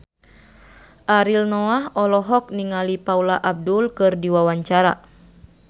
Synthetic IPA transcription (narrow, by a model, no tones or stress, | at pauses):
ʔaɾilnɔaɦɔlɔɦɔk̚niŋalipaulaʔab̚dulkɨrdiwawaɲt͡ʃaɾa̰